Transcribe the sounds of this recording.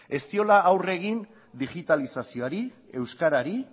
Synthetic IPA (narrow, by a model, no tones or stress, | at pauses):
e̞st̪io̞laːwre̞ɣin | d̪iɣit̪alisasio̞aɾie̞wskaɾaɾi